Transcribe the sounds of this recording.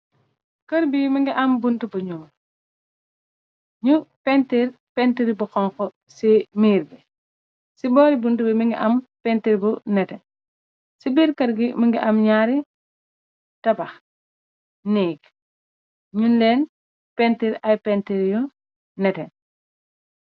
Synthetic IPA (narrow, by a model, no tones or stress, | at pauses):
kɐɾbimɐŋɡiʔɐmbuntubuɲum | ɲupɛntiɾ | pɛntiɾibuxɔŋkɔ | simiːɾɡi | sibɔːɾibuntubimiŋɡiʔɐmpɛntiɾbunɛtɛn | sibiːɾkɐɾɡimɐŋɡiʔɐmɲaːɾi | tɐbɐx | niːɡ | ɲundɛːn | pɛntiɾɐjpɛntiɾijɔ | nɛtɛn